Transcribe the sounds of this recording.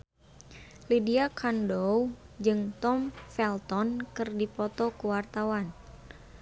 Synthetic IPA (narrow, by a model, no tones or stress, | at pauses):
lidiakʰandowd͡ʒɨŋt̪ɔmfɛlt̪ɔnkɨrdipɔt̪ɔkuwart̪awan